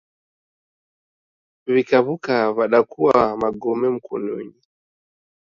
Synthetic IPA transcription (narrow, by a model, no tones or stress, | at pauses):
βikaβukaβaɗakuwamaɡɔmɛm̩kunṵɲi